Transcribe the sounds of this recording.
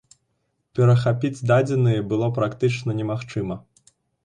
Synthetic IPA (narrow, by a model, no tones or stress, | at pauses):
pʲɛɾɐxapʲid͡zʲd̪ad͡zʲɛnɨjɐbɨlˠɔpɾakt̪ɨt͡ʂnɐnʲɛmaxt͡ʂɨmɐ